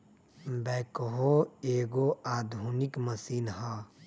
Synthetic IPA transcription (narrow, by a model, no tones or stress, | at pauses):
bɛːkɦoeːɡoaːd̪ʱuːnɪkməsiːnɦaː